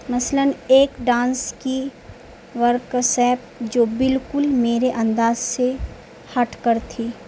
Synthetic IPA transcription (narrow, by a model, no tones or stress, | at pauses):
mɐsləneːkɖãːnski | ʋəɾksɛːp̚ | d͡ʒoːbɪlkʊlmeːɾeʔɐ̃nd̪aːzse | hɐʈʰkəɾt̪ʰiː